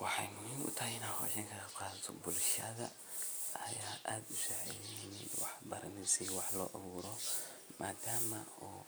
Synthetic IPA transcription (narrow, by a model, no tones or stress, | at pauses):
wɑħɑjmiːnʔʊ̰t̪ʰɐɦɪnaːhɔ̰ːʃɐŋkʰɐqaːðɐt̪ʰɔbʊlʃɐðɐ̰ | ɐjaːʔaːd̪ʊsaʕɛ̰jnɪnɪnwɑ̰ħbɐɾɐnɪsɛwɑħlɔːʔɐβuːɾɔmʔaːd̪aːmɐɔː